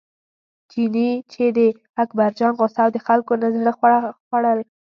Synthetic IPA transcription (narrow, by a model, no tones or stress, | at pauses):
d͡ʒinit͡ʃed̪ə | akbaɾd͡ʒɑnɣosɑwd̪əxalkonazɽəxaxwaɽəl